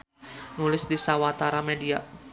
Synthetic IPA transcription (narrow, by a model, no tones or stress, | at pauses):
nulɪsdisawat̪aɾamɛdia̰